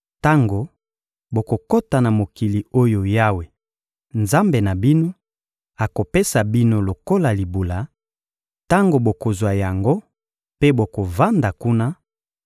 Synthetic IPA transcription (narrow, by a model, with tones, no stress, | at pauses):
ta˦ŋɡo˨ | bo˨ko˨ko˦ta˨na˨mo˨ki˨li˨o˦jo˨ja˦we˨ | nza˦mbe˨na˨bi˦no˦ | a˨ko˨pe˦sa˨bi˦no˦lo˨ko˦la˨li˨bu˨la˨ | ta˦ŋɡo˨bo˨ko˨zwa˨ja˨ŋɡo˦ | pe˦bo˨ko˨va˦nda˨ku˦na˦